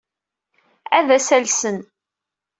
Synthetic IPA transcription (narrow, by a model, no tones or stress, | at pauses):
æðæsælsən